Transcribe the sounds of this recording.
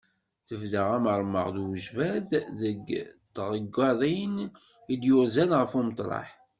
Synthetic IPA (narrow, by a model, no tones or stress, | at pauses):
θəvðəʁæməɾˤmə̰ʁðwəʒvæððəɡt̪ʁəɡːɑðˤin | id̪jʊɾzænʁəfumət̪ˤlˤɑ̰ħ